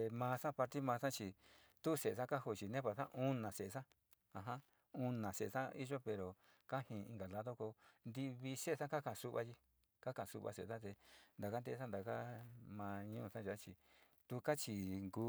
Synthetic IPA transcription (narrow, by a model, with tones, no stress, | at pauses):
e˧mãː˧sã˦pa˧ɾt̪i˦mãː˧sã˦t͡ʃi˧ | t̪u˦˧se˨e˨sa˦ka˦ho˧t͡ʃi˨nẽ˦pa˨sã̰˦ʔũ˦nã˨se˨˧sã˦ | ã˧ɦã˦ | ũ˧nã˨se˨˧sã˦i˦ʒo˦pe˨ɾo˨ | ka˦hĩ˧ĩ˧ŋɡa˨la˧ðo˦ko˧nd̪i˧βi˧se˦˧sã˦ka˦kã˧˨˧su˧˦βa˧ʒi˧ | ka˦kã˨su˧βa̰˧sḛ˨sa˦t̪̬e˧nd̪a˨ka˦nd̪e˧˦sa˦nd̪a˨ka˦mãː˧ɲũ˦˧sã˦ʒa˨˦t͡ʃi˧ | t̪u˧ka˦t͡ʃi˧˨ŋɡu˧